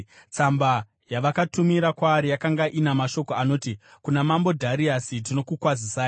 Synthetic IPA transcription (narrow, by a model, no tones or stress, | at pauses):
t͡samba | jaʋakatumiɾakwaːɾijakaŋɡaʔinamaʃo̞ko̞ano̞ːtikunamambo̞dʱaɾiasit̬ino̞kukwazisaːjo